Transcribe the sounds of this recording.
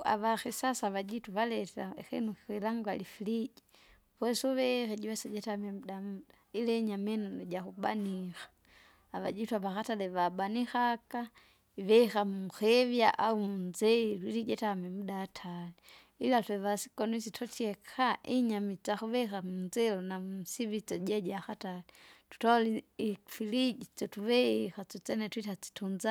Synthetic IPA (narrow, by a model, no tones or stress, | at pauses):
a̰βaxisasaβad͡ʒituβalɛtaxinuxi̥xwilaŋɡwalifilid͡ʒi | βwɛsuβɛxɛɟɛsɛɟɛtamɛmudamudailɛɲamɛnonɔɟaxuba̰nixḁː | βa̰d͡ʒituaβaxatalɛβabanixaka | iβɛxamuxɛvjaʔaumunzɛilwiliɟɛtamɛmudatʰali | ilatwɛβasi̥kɔnuisitʰɔtʰiɛkʰaʔiɲamit͡saxuβɛxamunzɛlɔnasivit͡sɔɟaɟaxatalɛtu̥taliifilid͡ʒit͡sɔtuβɛixat͡ʃɔt͡sɛnɛtwitat͡si̥tʰunza